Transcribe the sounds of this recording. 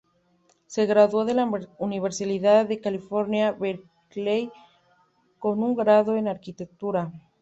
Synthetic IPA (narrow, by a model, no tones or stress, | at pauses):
se̞ɣɾaðwoðe̞launiβ̞eɾsaliðaððe̞kalifo̞ɾnjaβeɾ | klej | ko̞nuŋɡɾaðo̞enaɾkit̪e̞k̚t̪uɾa